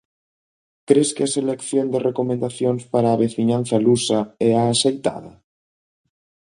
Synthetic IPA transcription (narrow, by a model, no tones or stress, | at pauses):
kɾeskeaselekθjond̪erekomẽnd̪aθjonspaɾaːβeθiɲan̟θalusaɛaːsejt̪a̰ð̞a